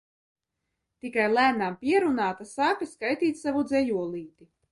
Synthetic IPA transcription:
t̪ikajlˠæːnampʲiɛɾunaːt̪asaːkiskajt̪iːt̪ʲsavud̪zɛjuɔlˠiːt̪i

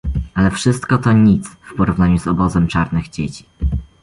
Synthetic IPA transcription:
alɛfʂɘst̪kɔt̪ɔɲit̪sfpɔɾuvnaɲuzɔbɔzɛmt͡ʂaɾnɘɣd͡ʑet͡ɕi̥

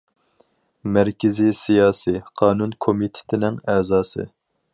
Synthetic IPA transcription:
mæɾkʲʰɪzisijɑːsiqʰɑːnunkʰomit̪ʰɪ̥t̪ʰɪnɪŋɛzɑːsɨ̰

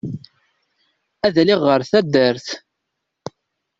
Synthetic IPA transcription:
æðæliʁːəɾθæd̪ːəɾθ

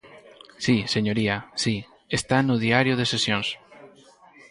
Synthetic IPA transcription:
siseɲoɾiasi | est̪anʊðiaɾjʊðesesjõŋs

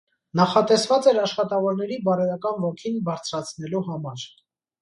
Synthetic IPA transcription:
nɑχɑt̪ɛsvɑt͡sɛɾɑʃχɑt̪ɑvɔɾnɛɾibɑɾɛɾɑkɑnvɔkʰinbɑɾt͡sʰɾɑt͡sʰnɛluɦɑmɑɾ

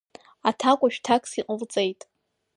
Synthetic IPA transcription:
atʰakʷʼaʃᶣtʰakʼsiqʼəlt͡sʼejtʼ

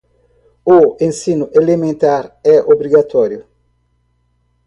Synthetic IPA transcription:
uẽnsinʊʔelemẽnt̪aɾɛʔobɾiɡat̪ɔɾjʊ

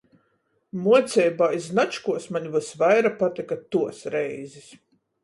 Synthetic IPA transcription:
muɔt̪sʲɛjbaːjznat͡ʃkuɔsmaɲʲivɨsvajɾapat̪ikat̪uɔsɾɛjzis

